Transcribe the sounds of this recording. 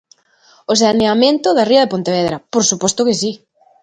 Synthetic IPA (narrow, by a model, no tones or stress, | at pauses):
os̬aneamẽnt̪ʊðɐriɐðepont̪eβeðɾɐpoɾsupɔst̪ʊkesi